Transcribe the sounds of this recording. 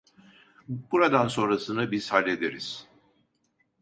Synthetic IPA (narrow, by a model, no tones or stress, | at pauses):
buɾad̪anso̞nɾasɯnɯbiz̥halʲːe̞d̪eɾiz̥